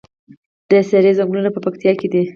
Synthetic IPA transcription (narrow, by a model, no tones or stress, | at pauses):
d̪̥əsaɾezaŋɡlunapəpakt̪ijɑked̪i